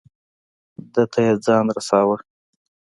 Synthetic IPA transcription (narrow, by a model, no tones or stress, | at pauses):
d̪ət̪ʰajed͡zɑnɾasɑwəɽ